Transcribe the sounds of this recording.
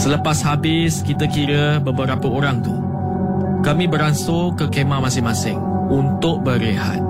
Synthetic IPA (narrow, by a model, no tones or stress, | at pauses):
sələpashabɪskit̪əkiɾəbəbəɾapəʔoɾaŋt̪u | kamĩbəɾansokəkemamasɪŋmasɪŋ | unt̪ʊʔ̚bəɾeha̰t̪̚